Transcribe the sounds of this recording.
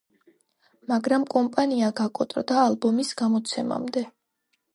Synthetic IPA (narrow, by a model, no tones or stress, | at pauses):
maɡɾamkʼɔmpʼaniaɡakʼɔt̪ʼɾd̪aːlbɔmisɡamɔt̪sʰɛma̰md̪ɛ